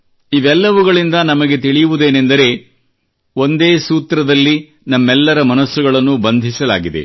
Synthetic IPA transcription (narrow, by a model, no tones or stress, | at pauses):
iʋɛlːɐʋuɡɐɭind̪ɐnɐmɐɡe̞t̪iɭijuʋud̪e̞ːnend̪ɐɾe̞ː | o̞nd̪e̞ːsuːt̪ɾɐd̪ɐlːi | nɐmːɛlːɐɾɐmɐnɐsːuɡɐɭɐnːubɐnd̪ʱisɐla̰ːɡid̪ḛ